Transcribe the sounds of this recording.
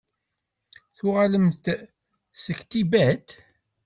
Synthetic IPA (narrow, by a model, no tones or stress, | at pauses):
θʊʁaləmθ | səçt̪ibæt̪